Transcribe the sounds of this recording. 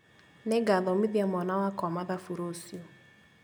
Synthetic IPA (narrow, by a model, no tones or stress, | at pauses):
neɡaðɔmiðiamɔnawakɔamaðafuɾosiɔ